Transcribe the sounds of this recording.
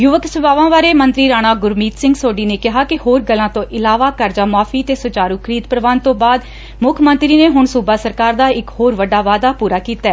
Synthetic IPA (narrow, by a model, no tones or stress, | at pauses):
jʊʋəksʊbʱaːʋãːʋaːɾeːmənt̪ɾiːɾaːɽ̃aːɡʊɾmiːt̪sɪ̃ŋɡsoːɖiːneːkɪɦaːkɪhoːɾɡəlːãːt̪õːʔɪlaːʋaːkəɾd͡ʒaːmaːfʰiːət̪eːsʊt͡ʃaːɾuːkʰəɾiːd̪pɾəʋaːnt̪õːbaːd̪ | mʊkʰmənt̪ɾiːneːɦʊɳsuːbaːsəɾkaːɾd̪aːɪkhoːɾʋəɖaːʋaːd̪aːpuːɾaːkiːt̪aɛː